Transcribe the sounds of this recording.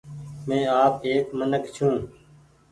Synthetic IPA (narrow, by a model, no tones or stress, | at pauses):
mẽːaːpeːkmənəkt͡ʃʰũː